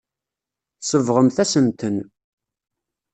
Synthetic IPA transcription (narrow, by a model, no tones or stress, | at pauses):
səvʁəmθæsənt̪ən